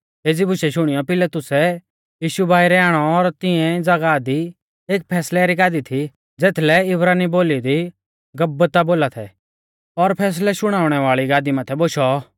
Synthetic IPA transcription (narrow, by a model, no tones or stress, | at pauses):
eːd͡zibʊʃɛʃʊɽ̃ijɔpɪlɛt̪ʊsɛ | jiːʃubʱaːiɾɛaːɽ̃ɔːɾt̪ɪɛ̃d͡zɐɡad̪i | eːk̚pʰɛːslɛɾiɡaːd̪it̪ʰi | d͡zeːt̪ʰlɛɪbɾaːniboːlid̪i | ɡɐbːət̪aboːlat̪ʰɛ̰ | ɔɾpʰɛːs̬lɛʃʊɽ̃aːʊɽ̃ɛʋaːɭiɡaːd̪imɐt̪ʰɛboʃɔ